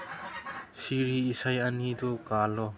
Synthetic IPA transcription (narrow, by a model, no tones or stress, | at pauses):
siɾiːsajanidɔkalɔ